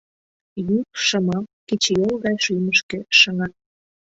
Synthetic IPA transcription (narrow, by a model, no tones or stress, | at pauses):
juk̚ʃəmɑmket͡ɕjolɣɑjʃyməʃkĕʃəŋɑt̪̚